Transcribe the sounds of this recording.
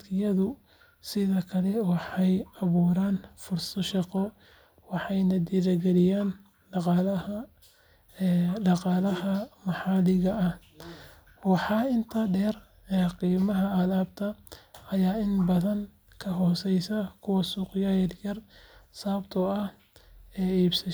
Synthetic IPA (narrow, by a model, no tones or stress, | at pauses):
kʰɪjɐðʊ | sɪðɐkʰɐlɛwɑħɑjɐβuːɾaːnfʊrsɐʃɑqɔ | wɑħɑjnɐd̪iðɐɡɛlɪjaːn | ɖɑqɑl | ɖɑqɑlɐɦɐmɑħɑːlɪɣɐɐh | wɑħɑɪnt̪ʰɐɖɛːr | ɛqiːmɐɦɐɐðaːb̚t̪ʰɐɐjaːɪnbɐðɐŋ | kʰɐɦɔːsɛjsɐkʰʊwɑsuːqjajɐdjɐrsaːbt̪ʰɔɐh | ɛːiːbsɐ